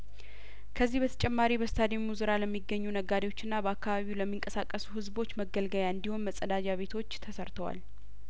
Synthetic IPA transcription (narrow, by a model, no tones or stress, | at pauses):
kʰəzːihbət̪ʰə̥t͡ʃʼɛmːaɾibəst̪ʰad̪imuzɨɾaləmːiɡːəɲːunəɡad̪ejwo̞t͡ʃːɨnːabəakːaβaβiwləmːiŋkʼəsakʼːəsuhɨzbo̞t͡ʃːməɡəlɡəjaɨnd̪iho̞nməsʼəd̪ad͡ʒaβe̞t̪ʰo̞t͡ʃːt̪ʰəsəɾt̪ʰəwa̰l